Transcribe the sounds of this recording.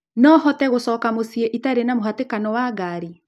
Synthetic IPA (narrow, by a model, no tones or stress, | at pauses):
nɔɦɔtɛɣosɔːkamosieʔitaɾenamohatekanɔwaɣaːɾi